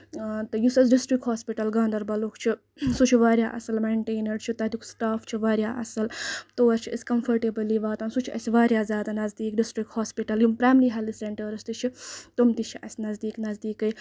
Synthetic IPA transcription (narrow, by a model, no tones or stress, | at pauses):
t̪ɐjusɐs̬ɖisʈɾikʈɦaːspiʈɐlɡãːnd̪ɐɾbɐlokʰt͡ʃʰi | sut͡ʃʰiʋaːɾjaːʔɐsɐlmeːɳʈeːnɐɽt͡ʃʰit̪ɐt̪ikʰsʈaːft͡ʃʰiʋaːɾʲjaːʔɐ̰sɐlt̪oːɐɾt͡ʃʰiɐsʲkɐmfʰɐɾʈebɐliʋaːt̪aːnsut͡ʃʰiɐ̰siʋaːɾʲjaːzʲjaːd̪anɐzd̪iːkɖisʈɾik̚ʈhaːspiʈɐljumpɾaːmɾiːɦɛliseɳʈɐɾɐst̪it͡ʃʰit̪umt̪it͡ʃʰiʔɐ̰sʲnɐzd̪iːknɐzd̪iːkɐj